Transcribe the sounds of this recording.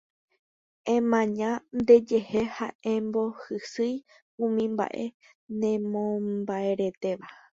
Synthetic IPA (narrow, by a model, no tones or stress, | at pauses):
ẽmãɲãnd̪e̞d͡ʒe̞hehaẽmbo̞hɨsɨj | ũmĩmba̰ʔe̞ | nẽmõmbae̞ɾe̞t̪e̞ʋa